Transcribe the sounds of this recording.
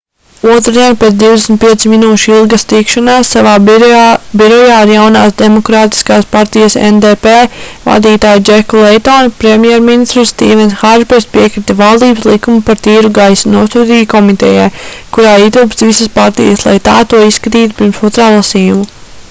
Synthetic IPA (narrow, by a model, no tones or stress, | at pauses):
uɔt̪ɾd̪iɛnpʲeːt̪sd̪iwd̪esn̩t̪̚piɛt̪siminuːʃilˠɡast̪ikʃanaːsːavaː | biɾɔjaːiɾjawnaːsd̪ɛmɔkɾaːt̪i̥skaːspaɾt̪ijasɛ̰nd̪eːpeːva̰d̪iːt̪aːjd͡ʒɛkɔlˠɛjt̪ɔːnpɾemʲjɛɾminist̪ɾst̪iːvɛnsxaʒpɛɾspiɛkɾit̪ɛvalˠd̪iːbslˠikumupaɾt̪iːɾuɡajsnuɔst̪ud̪iːjkɔmit̪ɛ̰ja̰jkuɾaːit̪uːpt̪svisaspaɾt̪ḭjaslˠa̰jt̪aːt̪uɔisːkat̪iːt̪u̥piɾmsuɔt̪ɾaːlˠasiːjumu